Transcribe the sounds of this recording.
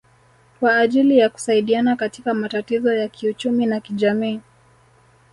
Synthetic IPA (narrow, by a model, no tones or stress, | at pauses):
kwaːʄilijaku̥saiɗianakatikamatatizɔjakʰiut͡ʃuminakiʄamiː